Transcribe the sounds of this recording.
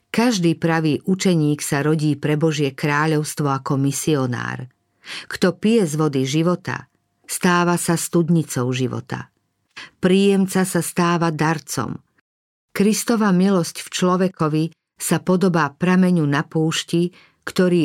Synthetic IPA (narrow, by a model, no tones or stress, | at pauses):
kaʒd̪iːpɾaʋiːʔut͡ʃɛɲiːksaɾɔɟiːpɾɛbɔʒɪɛkɾaːʎɔʊst̪ʋɔakɔmisiɔna̰ːɾ | kt̪ɔpijɛzʋɔd̪iʒiʋɔt̪a̰ | st̪aːʋasast̪ud̪ɲit͡sɔʊʒiʋɔ̰t̪a̰ | pɾiːjɛmt͡sasast̪aːʋad̪aɾt͡sɔ̰m | kɾist̪ɔʋamilɔscft͡ʃlɔʋɛkɔʋi | sapɔd̪ɔbaːpɾamɛɲunapuːʃci | kt̪ɔɾiː